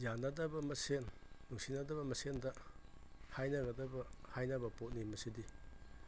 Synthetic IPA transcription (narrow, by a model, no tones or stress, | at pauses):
janːɐdɐbɐmɐsenːuŋsinɐdɐβɐmɐsendɐ | hajnɐɡɐdɐbɐhajnɐbɐpot̚nimɐsidi